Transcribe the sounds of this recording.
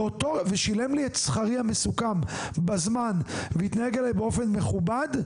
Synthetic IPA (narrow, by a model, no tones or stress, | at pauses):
otoveʃile̞mliet̪sχaʁihamesukambazmanveit̪naheɡelajbeo̞fe̞nme̞χubad